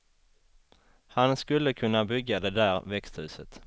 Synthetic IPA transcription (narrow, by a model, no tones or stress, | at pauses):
hanskɵlːəkʰɵnːabʏɡːad̪ɛd̪æːɾvɛkst̪hʉ̟ːsət̪